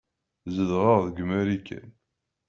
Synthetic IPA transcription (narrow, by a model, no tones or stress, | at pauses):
zəðʁəʁðɡəmæɾikːə̰n